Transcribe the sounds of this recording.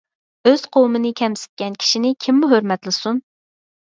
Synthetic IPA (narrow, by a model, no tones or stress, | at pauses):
øz̥qʰowmɨnɪkʲʰɛmsɪ̥t̪̚kʲɛnkʲʰi̥ʃinɪkʲʰimːuɦøɾmɛt̪lˠɨsun